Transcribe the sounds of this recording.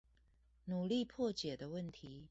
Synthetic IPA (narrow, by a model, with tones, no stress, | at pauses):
nu˨˩li˥˨pʰɔ˥˨t͡ɕjɛ˨˩d̪ə˦wə˥˨nt̪ʰi˨˦